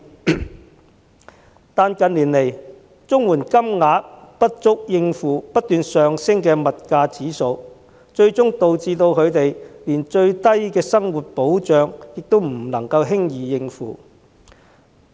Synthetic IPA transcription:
t̪aː˨nkɐ˨˧nliː˨˩nle˨˩j | t͡sʊ˥ŋwuː˨˩nkɐ˥mŋaː˨˧˥tpɐ˥t̚t͡ʃʊ˥k̚jɪ˧ŋfuː˨˧pɐ˥t̚t̪yː˨nsœː˨ŋsɪ˥ŋkɛː˧mɐ˨t̚kaː˧t͡siː˨˥so˧w | t͡ʃɵ˧ɥt͡sʊ˥ŋt̪o˨wt͡siː˧t̪o˧wkʰɵ˨˧ɥt̪e˨jliː˨˩nt͡ʃɵ˧ɥt̪ɐ˥jkɛː˧sɐ˥ŋwuː˨t̚po˨˥wt͡ʃœː˨˧ŋjɪ˨k̚t̪o˥wm̩˨˩lɐ˨˩ŋkɐ˧wɦɪ˥ŋjiː˨jɪ˧ŋfṵː˨

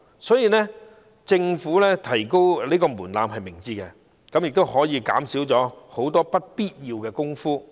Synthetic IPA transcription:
sɔː˨˥jiː˨˧nɛ˥ | t͡sɪ˧ŋfuː˨˥lɛː˥t̪ʰɐ˨˩jko˥wleː˥kɔː˧muː˨˩nlaː˨mɦɐ˨jmɪ˨˩ŋt͡siː˧t̚kɛ˧ | kɐ˨˥mjɪ˨k̚t̪o˥whɔː˨˥jiː˨˧ka̰ː˨˥msi˨˥wt͡sɔː˨˥ho˨˥wt̪ɔː˥pɐ˥t̚piː˥t̚jiː˧wkɛː˧kʊ˥ŋfuː˥

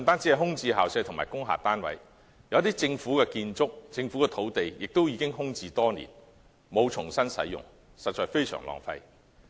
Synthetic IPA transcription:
m˨˩t̪aː˥nt͡si˨˥ɐ˨jɦʊ˥ŋt͡siː˧ɦaː˨wsɐ˧jt̪ʰʊ˨˩ŋmaː˨˩jkʊ˥ŋɦa̰ː˨˩t̪aː˥nwɐ̰˨˥j | jɐ˨˧wt̪iː˥t͡sɪ˧ŋfuː˨˥kɛː˧kiː˧nt͡sʊ˥k̚t͡sɪ˧ŋfu˨˥kɛ˧t̪ʰo˨˥wt̪e˨jjɪ˨k̚t̪o˥wjiː˨˧kɪ˥ŋɦʊ˥ŋt͡siː˧t̪ɔː˥nḭː˨˩n | mo˨˧wt͡ʃʰʊ˨˩ŋsɐ˥nsɐ̰˨˥jʊ̰˨ŋ | sɐ˨t̚t͡ʃːɔː˨˧jfe˥jsœ̰ː˨˩ŋlɔ̰ː˨ŋfɐ̰˧j

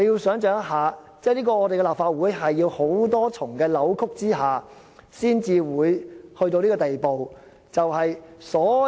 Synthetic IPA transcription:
e˨˧ji˧wsœː˨˥ŋt͡ʃœː˨˧˥ŋjɐ˥t̚ɦaː˨˧t͡sɛː˥˩liː˥kɔː˧ŋɔː˨˧e˨jkɛ˧laː˨p̚faː˧t̚wuː˨˥jɦɐ˨jːiː˧who˨˥wt̪ɔː˥t͡sʰʊ˨˩ŋkɛː˧lɐ˨˥wkʰʊ˥k̚t͡siː˥ɦaː˨ | siː˥nt͡siː˨wuː˨˧jhɵ˧ɥt̪o˧wliː˥kɔː˧t̪e˨jpo˨w | t͡sɐ˨wɦɐ˨jsɔː˨˥

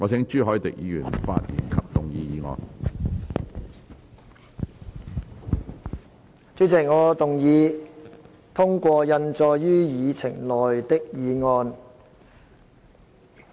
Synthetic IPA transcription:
ŋɔː˨˧t͡sʰɛ˨˥ŋt͡ʃyː˥ɦɔː˨˥jt̪ɪ˨k̚jiː˨˧jyː˨˩nfa̰ː˧t̚jḭː˨˩nkʰɐ˨p̚t̪ʊ˨˩ŋjiː˧jiː˨˧ŋɔ̰ː˧n | t͡ʃy˨˥t͡sɪ˨˩k̚ŋɔː˨˧t̪ʊ˨ŋjiː˨˧ | t̪ʰʊ˥ŋkʷɔː˧jɐ˧nt͡sɔː˨˧jjyː˥jiː˨˧t͡sʰɪ˨˩ŋlɔː˨˩jt̪ɪ˥k̚jiː˨˧ŋɔː˧n

